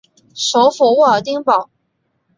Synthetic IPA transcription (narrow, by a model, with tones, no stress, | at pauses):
ʂo˧˥ʊfɔ˨˩wɔ˥˩ə˨˩t̪̬i˥ŋpɑ˨˩ʊ